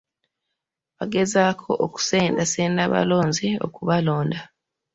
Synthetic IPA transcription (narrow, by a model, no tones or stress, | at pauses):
βaɡe̞zakʰo̞̰ʔoku̥seːndaseːndaβa̰lo̞ːnzio̞̰kuβalo̞ːnda